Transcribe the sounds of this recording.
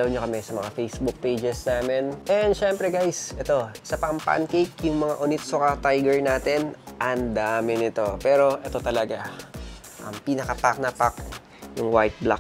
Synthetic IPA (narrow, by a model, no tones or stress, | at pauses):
ɐwɲokɐmɛsɐmɐŋafejsbʊk̚pejd͡ʒɛsnaːmɛnʔɛnd̪ʃɛmpɾɛɡajsɛt̪o̞sɐpɐmpa̰nkejkjʊŋmɐŋaʔʊnɪt̪sʊkat̪ajɡɛɹnaːt̪ɪnʔɐnd̪aːmɪnɪt̪o̞pɛːɾo̞ʔɛt̪o̞t̪ɐlɐɡa | ʔɐ̰mpinɐkɐt̪ak̚nɐpak | jʊŋwajt̪̚bla̰